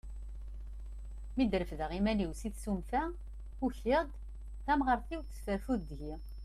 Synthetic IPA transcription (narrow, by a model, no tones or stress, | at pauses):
mid̪ɾəfðəʁimæniwsiθsumfæ | uçɪʁd̪ | θæmʁəɾˤθiwθə̥sfəɾfuðd̪ʝi